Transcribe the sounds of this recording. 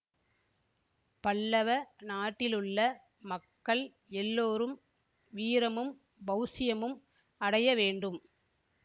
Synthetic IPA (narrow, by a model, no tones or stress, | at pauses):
pɐɭːɐʋɐnaːʈːɪlɯɭːɐ | mɐkːɐɭ | ɛlːoːɾɯm | ʋiːɾɐmɯm | bɐʊsɪjɐmɯm | ɐɽɐjɐʋeːɳɖɯm